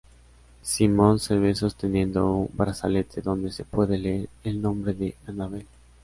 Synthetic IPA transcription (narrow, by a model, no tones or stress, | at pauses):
simõnseβeso̞st̪enjẽ̞nd̪oumbɾasalet̪ʰeðo̞nd̪e̞sepweðeleeɾelnõ̞mbɾeðeanaβe